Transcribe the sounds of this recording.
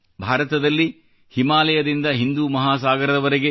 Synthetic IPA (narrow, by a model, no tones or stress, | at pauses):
bʱaːɾɐt̪ɐd̪ɐlːi | himaːlɐjɐd̪ind̪ɐɦind̪umɐɦaːsaːɡɐɾɐd̪ɐʋɐɾeɡe